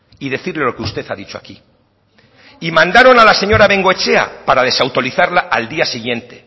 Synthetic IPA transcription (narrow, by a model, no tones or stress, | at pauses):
iðe̞θiɾle̞lo̞keust̪e̞θaðit͡ʃoaki | imãnd̪aɾo̞nalase̞ɲo̞ɾaβe̞ŋɡoet͡ʃe̞a̰paɾaðe̞sawt̪o̞ɾiθaɾlaʔald̪iasiɣje̞nt̪e̞